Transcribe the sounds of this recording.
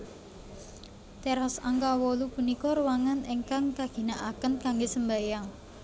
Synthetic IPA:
t̪eɾɔsaŋkawɔlupunikɔɾuwaŋaneŋkaŋkaɡ̥i̤naʔakənkaŋɡesəmbajaŋ

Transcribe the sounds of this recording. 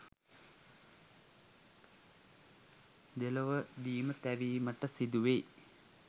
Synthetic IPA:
d̪eloʋəd̪iːmət̪æʋiːməʈəsid̪uʋej

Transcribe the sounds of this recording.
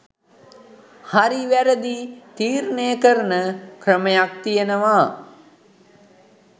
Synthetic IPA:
haɾiʋæɾəd̪it̪iːɾnejəkəɾənəkrəməjak̚t̪ijənəʋaː

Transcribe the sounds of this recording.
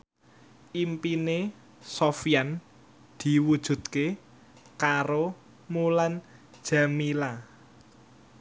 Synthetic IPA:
ʔimpine | sofjan | d̪̥i̤wud̥ʒ̥ṳt̪̚ke | kaɾo | mulan | d̥ʒ̥a̤mila

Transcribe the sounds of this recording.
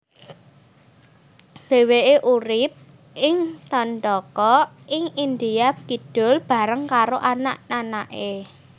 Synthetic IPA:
d̪̥e̤weeʔuɾɪp̚ | ʔɪŋt̪ɔnd̪ɔkɔ | ʔɪŋind̪iakid̥ʊ̤lb̥a̤ɾəŋkaɾoʔanaʔnanaʔe

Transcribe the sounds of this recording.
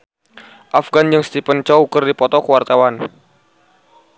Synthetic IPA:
ʔafɡand͡ʒɨŋst̪ipənt͡ʃaukərdipɔt̪ɔkəwart̪awan

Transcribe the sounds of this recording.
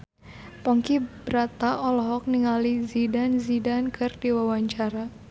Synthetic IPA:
pɔŋkibɾat̪aʔɔlɔɦɔk̚niŋalizidanzidankʰɨrdiwawaɲt͡ʃaɾa

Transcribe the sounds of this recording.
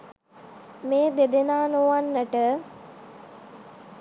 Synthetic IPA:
meːd̪ed̪enaːnoʋanːəʈə

